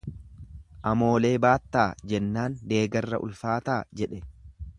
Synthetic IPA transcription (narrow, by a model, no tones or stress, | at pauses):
ʔɐmo̞ːle̞ːbaːt̪ːaːd͡ʒɛnːaːnd̪e̞ːɡɐrːɐ̰ʔʊ̰lfaːt̪aːd͡ʒɛᶑɛ